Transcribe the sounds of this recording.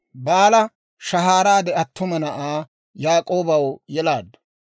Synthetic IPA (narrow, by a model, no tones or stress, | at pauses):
baːlɐ | ʃɐɦaːɾaːd̪ɛɐt̪ːʊmɐnɐʔaː | jaːkʼoːbɐwjɛlaːd̪ːʊ̥